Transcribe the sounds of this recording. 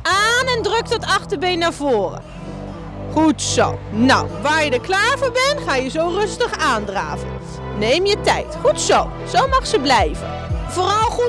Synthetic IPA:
ʔaːnɛndrøk̚tɔtɑχtəɹbejnːaːɹvoːrə̰ | χutso̰wna̰wʋaːɹjədəklaːɹvoːɹbɛnχaːjəzowrɵstəχaːndra̰ːvən | nejmjətɛ̰jtχutsow | z̥owmɑχsəblɛjvə̰nvoːrɑlˠχu

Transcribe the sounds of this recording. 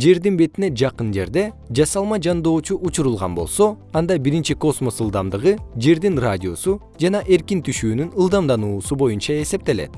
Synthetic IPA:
d͡ʒe̞ɾd̪inbe̞t̪ine̞d͡ʒɑqɯnd͡ʒe̞ɾd̪e̞d͡ʒɑsɑlˠmɑd͡ʒɑnd̪o̞ːt͡ʃuʔut͡ʃuɾulˠʁɑ̰nbo̞lˠso̞ | ɑnd̪ɑbiɾint͡ʃiko̞smo̞sɯlˠd̪ɑmd̪ɯʁɯd͡ʒe̞ɾd̪inradʲio̞su | d͡ʒɑnɑʔe̞ɾkint̪ʰyʃyːnynɯlˠd̪ɑmd̪ɑnuːsubo̞junt͡ʃɑe̞se̞p̚t̪e̞le̞̰t̪

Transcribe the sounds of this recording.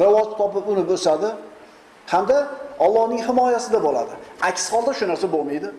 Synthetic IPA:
ɾɪvɒzt̪ʰɒpɪpʊnɪbɵsad̪ɪ | hamd̪aɒlˠːɒhnɪŋhɪmɒjasɪd̪abola̰d̪ɪakʲsqʰɒlˠd̪aʃʊnaɾsabolˠmajd̪ɪ

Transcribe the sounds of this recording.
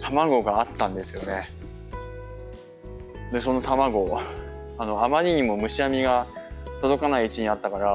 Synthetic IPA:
t̪ʰamaɡo̞ɡaːt̪ːãnd̪e̞sɨjo̞ne̞ | d̪e̞so̞no̞t̪amaɡo̞ | ano̞amaɾʲiɲ̟imo̞mɯ̟ɕiamʲiɡat̪o̞d̪o̞kanaiɯt͡ɕiɲ̟iat̪ːakaɾa

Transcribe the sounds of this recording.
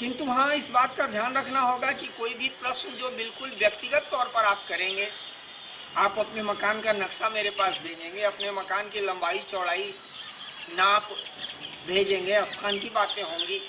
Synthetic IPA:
kɪ̃nt̪uɦãɪsbaːt̪̚kad̪ʱjaːnɾɐkʰnaɦoːɡakikoːibʱipɾɐʃnd͡ʒoːbɪlkʊlʋjɐkt̪ɪɡət̪ːɔːɾpɐɾaːp̚kɐɾẽːŋɡeː | aːpɐpnemɐkaːnkanɐkʃameːɾepaːsbʱeːd͡ʒẽːŋɡeɐpnemɐkaːnkilɐ̃mbʱaːit͡ʃɔːɽaːi | naːp | bʱeːd͡ʒẽːŋɡeɐst̪ʰaːnk̪̬ibaːt̪ẽɦõːŋɡiː

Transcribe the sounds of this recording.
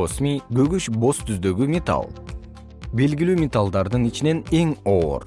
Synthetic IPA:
osmʲiɡɵɡyʃbo̞st̪ʰyzd̪ø̞ɡymʲɪt̪a̰lˠ | be̞lɡʲilyːmʲɪt̪alˠd̪ɑɾd̪ɯnit͡ʃine̞ne̞ŋo̞ːɾ

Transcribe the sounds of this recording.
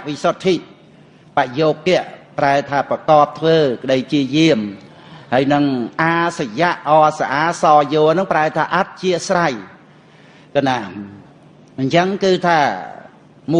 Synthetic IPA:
ʔʋisot̪ʰːiːt̪̚ | paʔjoːp̚kɛ̆əʔpraɛt̪ʰaːprɑkɑːp̚t̪ʰʋəːkə̆ɗəjpt͡ɕiəjiəm | haəjnɨŋʔaːsajaʔʔɑːsaʔaːsɑːjoːlnɨŋpraɛt̪ʰaːʔat̪̚t͡ɕiəʔsraj | kanaː | ɲt͡ɕəŋkɨːt̪ʰaː | mu

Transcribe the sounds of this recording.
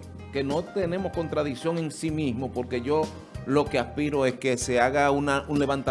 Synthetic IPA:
ke̞no̞t̪e̞ne̞mo̞hko̞nt̪ɾaðiksjo̞ŋe̞nsimismo̞po̞ɾke̞ʝo̞ | lo̞ke̞aspiɾo̞e̞ske̞se̞aɣaunaʔunle̞βant̪a

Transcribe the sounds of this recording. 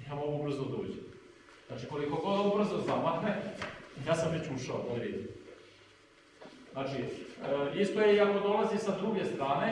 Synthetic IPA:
jamoɡubr̩zod̪o̰ːd͡ʑe | znaːt͡ʃiko̞liko̞ɡod̪aubr̩zozamahnejaːsamet͡ɕuːʃao̰ʔuɾeːd̪i | znaːt͡ʃiəist̪ojeiako̞d̪o̞lazisad̪ɾuɡe̞st̪ɾaːne̞

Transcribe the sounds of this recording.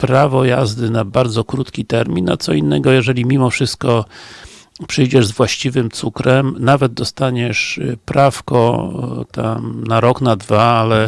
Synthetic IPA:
pɾavɔjazd̪ɘnabaɾd̪zɔkɾut̪kʲit̪ɛɾmʲina̰t̪sɔinːɛɡɔjɛʐɛlʲimʲimɔfʂɘst̪̚kɔ | pʂɘjd͡ʑɛʐzvwaɕt͡ɕivɘmt̪sukɾɛmnavɛd̪̚d̪ɔst̪aɲɛʂpɾafkɔ̰t̪a̰mnaɾɔknad̪vaalɛ

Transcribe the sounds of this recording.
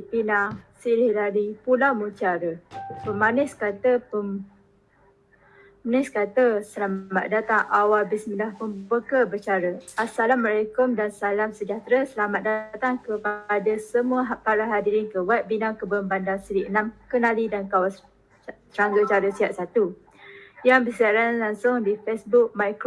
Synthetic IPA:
ipinasilɪhlalipulamut͡ʃaɾəpəmanɪskat̪əpə | anɪskat̪əsəlamat̪̚dat̪aŋʔawalbismədahpənbəkəbət͡ʃaɾəasalamalajkʊmdansalamsəd͡ʒaht̪ɾasəlamat̪̚dat̪aŋkəpadasəmũaɦpaɾaɦadiɾɪnkəwɛp̚binaŋkəbəmbandansəɾiʔənamkənalidankawas | səɾaŋɡət͡ʃaɾəsiaʔ̪̚sat̪u | jaŋbəsəaɾanlaŋsʊŋdifesbuk̚majkɾ

